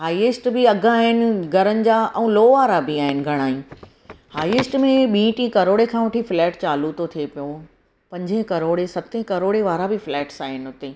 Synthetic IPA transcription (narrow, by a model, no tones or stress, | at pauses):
ɦaːieːsʈbɪɐɡʱaːɦɪnɪ̆ɡʱɐɾənɪ̆d͡ʑaːɛ̃ːloːʋaːɾabɪaːɦɪnɪ̆ɡʱɐɽ̃aːjũː | haːieːsʈmẽɓĩːʈĩkɐɾoːɽekʰãːʋɐʈʰiflɛːʈt͡ɕaːlut̪ot̪ʰiepijõ | pɐ̃ɲd͡ʑʱẽkɐɾoːɽesɐt̪ẽkɐɾoːɽeʋaːɾabɪflɛːʈsaːɦɪnɪ̆ɦʊt̪e